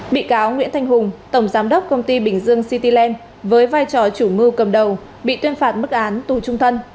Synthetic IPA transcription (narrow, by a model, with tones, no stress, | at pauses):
ɓḭ˧˨kaː˨˦wŋwḭ˧˥ənt̪ʰa˧ŋ̟ɦʊ˨˩ŋ͡mt̪ə˧˩wŋ͡mzaː˨˦mɗə˦˥wk͡p̚kə˧wŋ͡mt̪i˧ɓï˧˩ŋ̟zɨ˧əŋsi˧t̪i˧lɛ˧n | vəː˨˦jvaː˧jt͡ɕɔ˨˩t͡ɕu˧˩mɨ˧kə˨˩mɗə˨˩w | ɓḭ˧˨t̪wənfaː˨˩t̚mɨ˦˥k̚ʔaː˨˦nt̪u˧˨˩t͡ɕʊ˧ŋ͡mt̪ʰə˧n